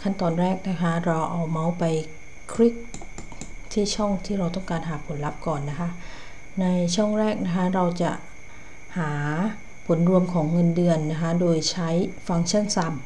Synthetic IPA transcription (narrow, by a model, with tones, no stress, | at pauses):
kʰa˥˩nt̪ɔː˨˩nɾɛː˥˩k̚na˦˥kʰa˦˥ɾa˧wʔa˧wma˦˥wpa˧j | kʰɾi˦˥˩k̚ | t̪ʰiː˥˩t͡ɕʰɔ˥˩ŋt̪ʰiː˥˩ɾa˧wt̪ɔ˥˩ŋkaː˧nɦaː˩˦pʰo˨˩˦nla˦˥p̚kɔː˨˩nːa˦˥kʰa˦˥ | na˧jt͡ɕʰɔ˥˩ŋɾɛː˥˩k̚na˦˥kʰa˦˥ɾa˧wt͡ɕa̰˨˩ʔ | haː˩˦ | pʰo˩˦nɾu˧əmkʰɔː˩˦ŋːɤ˧ndɯ˧ənːa˦˥kʰa˦˥doː˧jt͡ɕʰa˦˥jfa˧ŋt͡ɕʰa˥˩˨nsa˧m